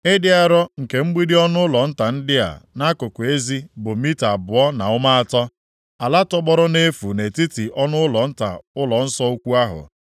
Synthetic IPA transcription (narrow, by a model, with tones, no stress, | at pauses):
e˦dɪ˦a˦ɾɔ˦ŋ̩˨ke˨ŋ͡m̩˦ɡ͡bi˦dɪ˦ɔ˦nʊ˦ʊ˦lɔ˨n̩˦ta˨n̩˦dɪ˦a̰˨na˦kʊ˨kʷʊ˨e˦zi˦bʊ˨mi˦ta˨bʊ˨ɔ˦na˨ʊ˦ma˦a˨tɔ˦ | a˨la˦tɔ˦ɡ͡bɔ˦ɾɔ˦ne˦fu˨ne˨ti˦ti˨ʔɔ˦nʊ˦ʊ˦lɔ˨n̩˦ta̰˨ʊ˦lɔ˨n̩˦sɔ˦o˦kʷu˦a˦ɦʊ̰˨